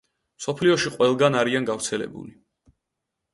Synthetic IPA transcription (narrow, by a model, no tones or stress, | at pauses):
msɔpʰliɔʃiqʼwɛlˠɡanaɾianɡaɾt̪sʰɛlɛ̰bṵli